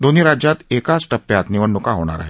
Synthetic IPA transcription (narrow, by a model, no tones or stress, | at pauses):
d̪oniɾad͡ʒjat̪eːkasʈəpːjaːt̪niʋəɳːʊkaɦoːɽ̃a̰ɾa̰ɦɛ